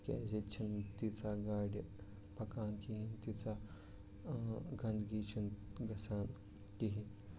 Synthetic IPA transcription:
kʲḛːzet͡ʃʰint̪it͡sʰaːɡaːɖʲɐ | pɐkaːnkiɦint̪it͡sʰaː | ɡɐnɡiːt͡ʃʰunɡɐsaːn | t̪iɦi

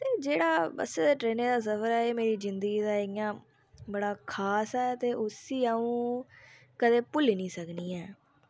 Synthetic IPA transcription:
t̪eːd͡ʒeːɽaːbə̰seːd̪eːʈɾeːneːd̪aːsəfəɾɛːeːmeːɾiːzɪnd̪əɡiːd̪aːɪɪjãː | bəɽaːkʰaːsɦɛːt̪eːʔʊsiːaːũː | kəd̪eːpʊliːnĩːsəkniːɛː

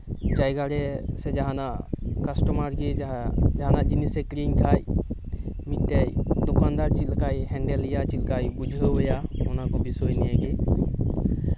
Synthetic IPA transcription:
d͡ʒajɡaɽɛsɛd͡ʒaɦanakasʈɔmaɾɡed͡ʒaɦanad͡ʒinisɛkɾiɲk̪ʰaj | miʈːejd̪ɔkʰand̪aɾt͡ʃilkajɦɛɳɖɛlːijat͡ʃilkajbud͡ʒʱɦəɦɔjaɔnakɔbisojnijɛɡe

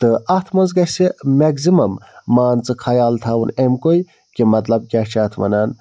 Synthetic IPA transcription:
t̪ɨɐt̪ʰmɐnzɡɐsemeɡzimɐmːaːnt͡sɨkʰɐjaːlt̪ʰaunemkoj | kimɐt̪lɐb̚kʲɐt͡ʃʰɐt̪ʰmɐ̰naːn

